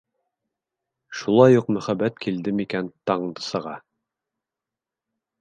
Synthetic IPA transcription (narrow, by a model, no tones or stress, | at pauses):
ʃulˠɑjuqmɵ̆χæbæt̪kild̪ɘmikænt̪ɑɴd̪ɤ̥sɤ̆ʁɑ